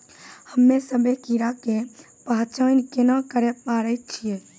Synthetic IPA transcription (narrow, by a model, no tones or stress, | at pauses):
həmːesəbʱekiɾake | paɦt͡ʃaːnkenakəɾɛpaːɾət͡ʃʰije